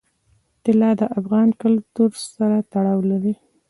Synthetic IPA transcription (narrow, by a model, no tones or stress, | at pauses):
t̪ɪlɑd̪əʔafɣɑnkəlt̪uɾsaɾat̪aɽɑwlaɾi